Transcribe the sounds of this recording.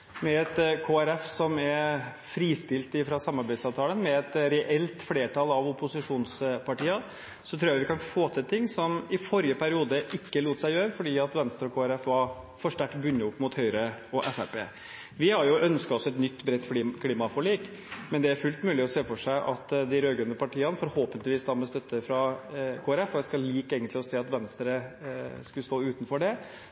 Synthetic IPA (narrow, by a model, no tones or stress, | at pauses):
mɛɛt̪kʰoːæɾɛfsɔmɛɾ | fɾiːst̪ɪlt̪ɪfɾɑsɑmɑɾbæɪd̪sɑːʋt̪ʰɑːlənmɛɛt̪ɾɛʔɛlt̪fleːʈʰɑlɑʋʊpʊsɪʂuːnspʰɑʈiːə | sɔt̪ʰɾuːjɑʋɪkɑnfoːt̪ʰɪlt̪ʰɪŋːsɔmɪfɔɾjəpʰæɾɪuːd̪əʔɪkːəluːt̪sæɪjøːɾəfɔɖiːɑt̪ʋɛnst̪əɾɔkʰoːæɾɛfʋɑɾ | fɔʂʈæʈtbʉnːəʊpːmʊt̪hœʏɾəɔʔɛfæpḛː | ʋɪhɑɾjʊʔœnskɑt̪ɔsɔɛt̪nʏt̪ːbɾɛt̪ːfɔikʰliːmɑfɔɭiːk | mɛnd̪ɛæɾfʉlt̪mʉːlɪɔseːfɔʂæɪʔɑ̰t̪ːd̪ɪɾøːɡɾʉnːəpʰɑʈiːɑnfɔɾhoːpənt̪lɪʋiːsd̪ɑːməst̪œt̪ːəfɾɑkʰoːæɾɛfɔd̪ɛskɑlliːkeːɡənt̪lɪɔseːɑt̪ʋɛnst̪ɾəskʉləst̪oːʉːt̪n̩fɔɖɛ